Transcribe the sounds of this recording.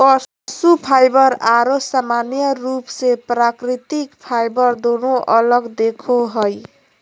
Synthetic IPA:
ʌ | supʰajbʌɾaɾosamanjʌɾupsepɾakɾit̪ikpʰajbʌɾd̪onoʔʌlʌɡd̪ekʰoɦoj

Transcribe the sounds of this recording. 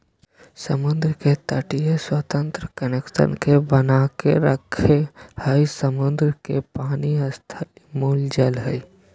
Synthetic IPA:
səmʊnd̪ɾəket̪əʈijeswət̪ə̃nt̪ɾəkənekʃə̰nkebənakḛɾəkʰehəisəmʊnd̪ɾəkepaːniəst̪ʰəlmuld͡ʒəlɦə̰i

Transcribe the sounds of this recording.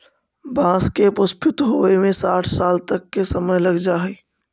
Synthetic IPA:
bʱãːskepəspʰɪt̪ɦoemẽsaːʈʰsaːlt̪əkːesəməjləɡd͡ʒaɦəj

